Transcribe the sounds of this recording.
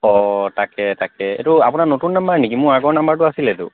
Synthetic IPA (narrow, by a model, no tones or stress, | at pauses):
ɔtakɛtakɛḛtuapunanotunːambaɹnikimʊɹaɡɔɹnambaɹtʊasilɛtʊ̰